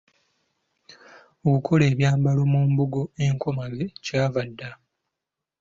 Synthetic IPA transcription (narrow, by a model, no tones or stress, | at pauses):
okukʰo̞le̞ːβjaːmbalo̞muːmbuɡo̞e̞ŋkʰo̞maɡe̞caːvadːa